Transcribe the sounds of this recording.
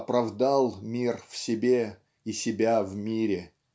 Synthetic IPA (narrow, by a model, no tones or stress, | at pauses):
pɾɐvd̪alˠmʲirfsʲɪbʲe | isʲɪbʲavmʲiɾʲɪ